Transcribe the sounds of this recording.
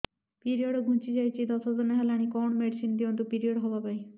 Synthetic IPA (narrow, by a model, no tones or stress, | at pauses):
piɾioɽoɡʱunt͡ʃid͡ʒajt͡ʃʰid̪ɔsɔzɔneɦɛlaɽ̃ikɔɳmeɖisind̪iɔnt̪upiɾiɔɽɦɔbapaĩ